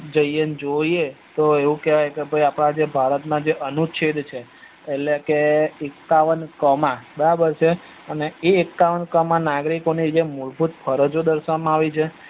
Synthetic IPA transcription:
d͡ʒəjənd͡ʒoiet̪oeʋũkeʋajkebʱəjapɽ̃ad͡ʒebʱaɾət̪nad͡ʒeʔənut͡ʃʰed̪t͡ʃʰeː | llekeekːaʋənkəmãbəɾabəɾt͡ʃʰe | əneeːkːaʋənkəmanaɡɾikonid͡ʒemuɭbʱut̪pʰəɾəd͡ʒod̪əɾsʋamãaʋit͡ʃʰe

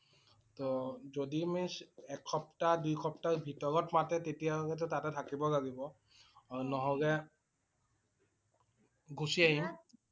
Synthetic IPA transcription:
tɔzodimisɛkʰːɔptadujkʰɔptaɹbʱitɔɹɔtmatɛtetijalɔɡɛt̬ɔtatɛtʰakibɔlaɡibɔ | aunɔɦɔɡɛ | ɡusiaɦim

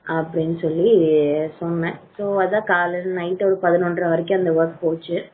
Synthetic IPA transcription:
ɐpːɐɽɪnːɯsɔlːisɔnːɛ̃soːɐððãːkaːlɐnɐɪʈːɐɾɯpɐðɪnɔndrɐ̃ʋɐɾɪk̬ʲːʊ̃ɐnd̪ɐʋɐɾkpoːt͡ʃːɯ

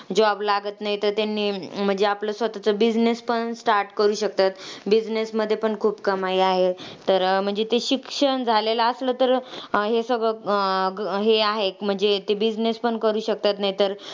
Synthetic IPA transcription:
d͡ʑablaɡət̪naɦit̪əɾt̪anːiːm̤əɳd͡zeapləsʋət̪at͡səbid͡znespəɳsʈaɾʈkəɾuːɕək̚t̪at̪bid͡znesməd̪ʱːjepəɳkʰuːpkəmaiaɦet̪əɾm̤əɳd͡zet̪eɕikʂəɳd͡zʱalelaəsləːt̪əɾɦesəɡɭə | ɦeaɦem̤əɳd͡zet̪ebid͡znespəɳkəɾuːɕək̚t̪at̪naɦit̪əɾ

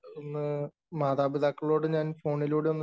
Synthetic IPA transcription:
onːɨ | maːd̪aːbiðaːkːɐɭo̞ːɽɨɲaːnfo̞ːɳiloːɽeo̞nː

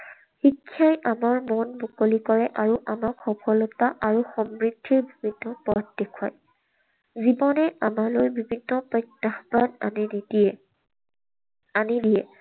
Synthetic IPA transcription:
xikʰːjajʔamaɹmɔnbukolikɔɹɛʔaɹuʔamakxɔpɔlɔt̪aʔaɹuxɔmɹidʱːiɹbibʱinːɔpɔt̚dekʰua̰j | zibɔnɛʔamalojbibʱinːɔpɔtːaxbana̰ninidiɛ | anidijɛ

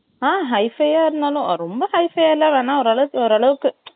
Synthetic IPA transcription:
aːɦɐɪfɐjaːɪɾɯnd̪aːlʊ̃ɾɔmbɐhɐɪfejaːɪlːãːʋeːnãːɔɾɐɭɐʋɯkːɯɔɾɐɭɐʋɯkːɯ

